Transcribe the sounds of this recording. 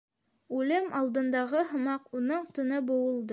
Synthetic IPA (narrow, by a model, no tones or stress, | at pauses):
ʉlɘmɑlˠd̪ɤ̆nd̪ɑʁɤɦɤ̆mɑqunɤɴt̪ɤ̆nɤbŏwɤ̆lˠd̪ɤ